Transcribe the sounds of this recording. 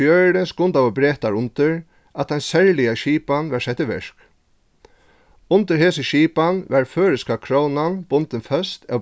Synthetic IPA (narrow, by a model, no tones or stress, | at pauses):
jœːnəskʊnt̪awɔbɾeːt̪aɹʊnt̪ɪɹ | ʔat̪̚d̪ɛnsɛɹlɪjaʃiːpanʋaɹsɛht̪ɪʋɪ̰ʂk | ʊnt̪əɾɦeːsəʃiːpanʋɛɹføːɾɪskakʰɾownanb̥ʊnt̪ɪnfœst̪ɛ